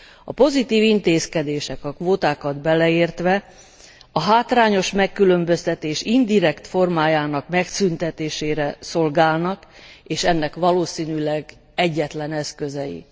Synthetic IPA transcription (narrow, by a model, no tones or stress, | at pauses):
ɒpo̞zit̪iːvint̪eːskɛd̪eːʃɛkɒkʋoːt̪aːkɒd̪bɛlɛeːrt̪ʋɛ | ɒɦaːt̪rɾaːɲo̞ʃmɛkːylømbø̞st̪ɛt̪eːʃind̪iɾɛkt̪fo̞rmaːjaːnɒkmɛksynt̪ɛt̪eːʃeːɾɛso̞lɡaːlnɒkeːʃɛnːɛkʋɒloːsiːnylɛɡ | ɛɟːɛt̪lɛnɛskø̞zɛjḭ